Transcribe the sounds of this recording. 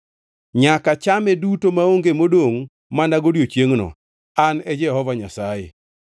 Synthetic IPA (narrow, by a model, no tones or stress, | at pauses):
ɲakat͡ʃamɛdutomaoŋɡemodoŋ | manaɡodjot͡ʃjeŋnɔ̰ | anɛd͡ʒɛhɔvaɲasajɪ̰